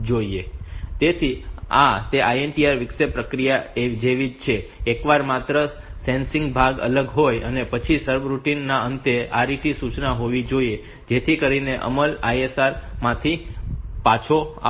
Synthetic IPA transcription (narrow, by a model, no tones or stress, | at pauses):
d͡ʒoiet̪et̪ʰia̰t̪eʔajenʈiaɾʋɪksepɾəkɾijaed͡ʒeʋid͡ʒt͡ʃʰeːkʋaɾmat̪ɾə | sɛ̃nsɪ̃ŋɡbʱaɡə̰ləɡɦojənepət͡ʃʰisəɾbɾuʈinːaənt̪eaɾiʈ̪isut͡ʃnaɦoʋid͡ʒoie | d͡ʒet̪ʰikəɾineʔə̰məlajesaɾmãt̪ʰipat͡ʃʰoa̰